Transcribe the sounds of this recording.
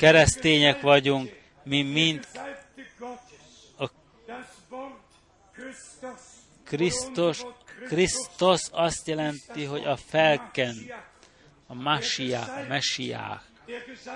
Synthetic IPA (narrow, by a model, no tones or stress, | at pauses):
kɛɾɛst̪eːɲɛkʋɒɟuŋk | mimint̪ | ɒ | krist̪oʃkrist̪oʃɒst̪jɛlɛnt̪iɦo̞ɟɒfɛlkɛn | ɒmaʃijaːɒmɛʃija̰ːk